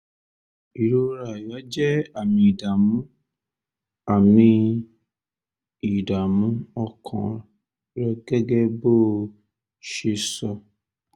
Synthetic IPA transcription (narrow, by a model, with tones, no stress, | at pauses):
i˨ɾo˧ɾa˨ja˨˦d͡ʒɛ˦a˦˨mĩ˧i˨da˨mũ˨˦ | a˨mĩ˧ | i˨da˨mũ˨˦ɔ˧kʰã̰˨ | ɾɛ˧ɡɛ˦ɡɛ˦bo˦˨ | ʃe˧sɔ˧